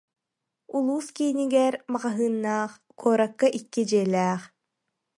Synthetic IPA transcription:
ulˠuːskiːniɡɛɾmaʁaɦɯːnːaːχ | kʰɔːɾɐkːaʔikːid͡ʑiɛlʲɛːχ

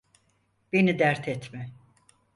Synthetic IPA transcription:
b̥enid̪æɾt̪ʰɛt̪mɛ

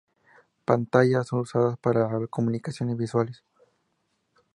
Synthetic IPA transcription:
pant̪ajasoŋusaðaspaɾakomunikasjonezbiswales

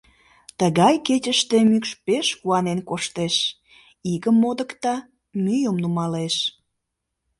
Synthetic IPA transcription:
t̪əɣɑjket͡ɕəʃt̪emykʃpeʃɣuɑnenkoʃt̪eʃ | iɣəmːod̪ə̆kt̪ɑ | myjəmnumɑleʃ

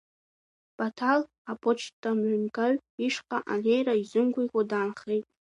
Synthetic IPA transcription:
b̥atʰal | apʰot͡ʃʰtʼːamʕʷʊnkʼaɥiʂqʼaʔa̰lejraizɨmɡʷijkʷʼadaːnχejtʼ

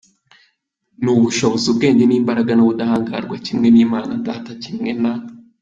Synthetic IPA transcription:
nuβuʃoβozub̚ɡe̞ːɲɟe̞niːmbaɾaɡanoβudahaːŋɡa̰ɾɡwacimŋe̞niːmaːnandaːtacimŋe̞na

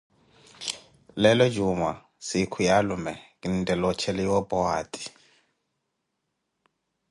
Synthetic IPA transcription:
lɛlɔd͡ʒuma | sikʰujalumɛkʼindɛlɔt͡ʃʰɛlɛɔpʼɔaːtʼi̥

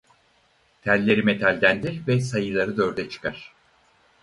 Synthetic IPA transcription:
t̪ʰælʲːe̞ɾimet̪ʰalʲd̪ænd̪iɾvɛsajɯlˠaɾɯd̪øɾd̪ɛt͡ʃʰɯ̥kʰaɾ̝̥

